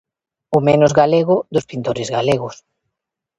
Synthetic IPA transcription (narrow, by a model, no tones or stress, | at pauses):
ʊmenʊzɣaleɣʊðʊspint̪oɾɪzɣaleɣʊs